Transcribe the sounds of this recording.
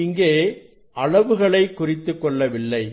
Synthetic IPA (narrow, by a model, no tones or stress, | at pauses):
ɪŋɡeː | ʔɐɭɐʋɯɣɐɭɐɪkːʊrɪt̪ːɯkːɔɭːɐʋɪlːɐɪ